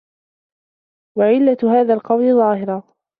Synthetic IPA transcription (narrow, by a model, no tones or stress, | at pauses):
waʕɪlːat̪haːðaːlqɑwlɪðˤɑːhɪɾɑ